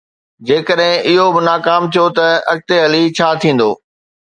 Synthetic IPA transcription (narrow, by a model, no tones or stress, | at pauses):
d͡ʑeːkəɗɦɪ̃ɪɦobɪnaːkaːmt̪ʰijot̪ɐɐk̚t̪eɦɐlit͡ɕʰaːt̪ʰĩːn̆d̪o̰ː